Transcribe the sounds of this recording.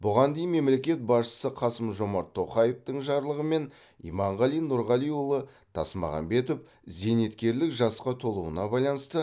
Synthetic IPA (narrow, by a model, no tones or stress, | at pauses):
bʊʁɑnd̪ejɪnme̞mle̞kʲe̞t̪̚bɑsʃə̥səqʰɑsəmʒo̞mɑɾt̪ʰːo̞χɑjeft̪əɴʒɑɾlˠəʁəme̞n | ḭjmɑɴʁɑlijnʊɾʁɑlˠijwʊlˠə | t̪ʰɑ̰smɑ̰ʁɑ̰mbe̞t̪op | ze̞ne̞t̪kʲe̞ɾlɪkʒɑsqɑt̪ʰo̞lˠuənɑbɑjlˠɑnəst̪ə